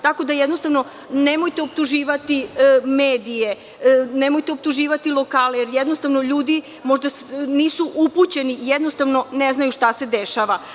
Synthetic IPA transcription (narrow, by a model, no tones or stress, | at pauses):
t̪ako̞d̪ajed̪no̞st̪aʋno̞ | nemo̞jt̪eopt̪uʒiːʋat̪imeːd̪ije̞ | ne̞mojt̪eo̞p̚t̪uʒiːʋat̪ilˠo̞kaːlejeɾjɛd̪no̞st̪aʋnoʎuːd̪i | moʒd̪aniːsuʔuput͡ɕe̞nijed̪nost̪aʋno̞neznajuʃt̪ase̞d̪eʃaʋa